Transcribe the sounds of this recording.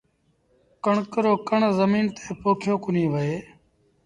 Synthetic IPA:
kəɳkəɾoːkəɳzəmiːnt̪ʰeːpoːkʰjoːkʊnĩːʋəeː

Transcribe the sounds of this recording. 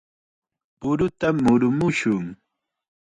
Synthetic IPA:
ʊɾʊt̪amːʊɾʊmʊʃʊŋ

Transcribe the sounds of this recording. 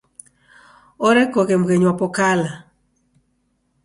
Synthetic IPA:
oɾɛkokemɡeɲwɔpɔkala

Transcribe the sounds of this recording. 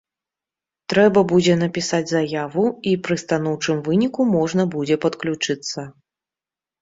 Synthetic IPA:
t̪ɾɛbɐbud͡zʲɛnɐpʲisad͡zʲzajavuipɾɨst̪an̪ɔwt͡ʂɨmvɨnʲikumɔʐnɐbud͡zʲɛpɐt̪klʲut͡ʂɨt̪sːɐ

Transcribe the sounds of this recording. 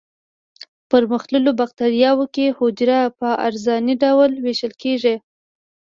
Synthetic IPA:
pəɾməxt̪ləlobaq̚t̪aɾijɑwəkehʊd͡ʒɾapəʔa̰ɾzɑniɖawlweʃəlkeʐe

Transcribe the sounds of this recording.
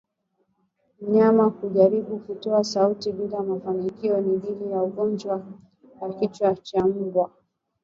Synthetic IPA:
m̩ɲamakuʄaɾiɓukutɔasautiɓilamafanikiɔnililijauɠɔnd͡ʒwa | wakit͡ʃwat͡ʃam̩ɡwa

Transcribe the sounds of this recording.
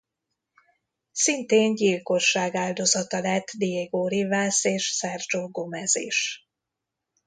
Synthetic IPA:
sint̪eːnɟilko̞ʃːaːɡaːld̪o̞zɒt̪ɒlɛt̪ːd̪iɛɡoːɾivaːseːʃsɛrd͡ʒoɡomɛzḭːʃ

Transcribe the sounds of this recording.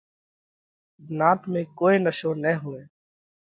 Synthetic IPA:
naːt̪mẽkoːinəʃõːnəɦʊẽː

